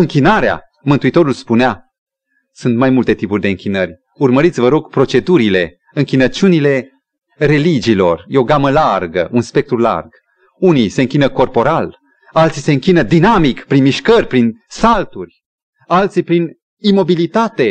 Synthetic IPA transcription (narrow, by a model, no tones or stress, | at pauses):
ɨŋkʲinaɾea̰ | mɨnt̪uit̪o̞ɾulspunea | sunt̪majmult̪e̞t̪ipurʲd̪e̞ɨŋkʲinərʲ | urməɾit̪sʲvəɾo̞ɡ̥pɾo̞t͡ʃe̞d̪uɾile̞ | ɨŋkʲinət͡ʃunile̞ | re̞lid͡ʒiːlo̞̰rjeoɡaməlarɡə̰ʔunspe̞k̚t̪ɾula̰rɡ̥ | unise̞ɨŋkʲinəko̞rpo̞ɾal | alt̪sise̞ɨŋkʲinəd̪inamikpɾinmiʃkərʲpɾinsalt̪urʲ | alt̪sipɾin | imo̞bilit̪at̪e̞